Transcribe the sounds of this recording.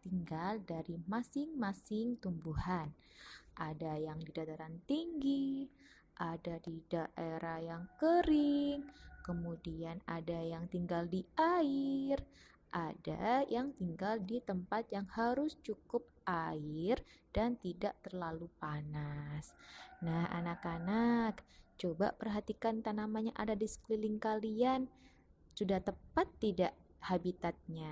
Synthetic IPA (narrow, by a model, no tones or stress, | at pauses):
t̪iŋɡaldaɾimasɪŋmasɪŋt̪umbuhan | ʔadajaŋdidat̪aɾant̪iŋɡi | ʔadadidaʔeɾʔahjaŋkəɾɪŋkəmudianadajaŋt̪iŋɡaldiaɪr | ʔada̰jaŋt̪iŋɡaldit̪əmpat̪̚jaŋhaɾʊst͡ʃukʊp̚aɪrd̥ant̪idaʔt̪ərlalupanasnaha̰nakanakt͡ʃoba̰pərɦat̪ikant̪anamaɲaʔadadisə̥klilɪŋkalian | sudaht̪əpat̪ːidaʔ | habit̪at̪̚ɲa